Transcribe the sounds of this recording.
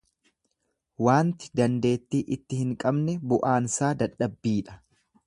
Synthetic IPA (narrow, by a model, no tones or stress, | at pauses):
waːnt̪ɪ̥d̪ɐnd̪e̞ːt̪ːiːʔɪt̪ːɪhɪŋkʼɐbnɛbʊʔaːnsaːd̪ɐᶑːɐbːiːᶑɐ̥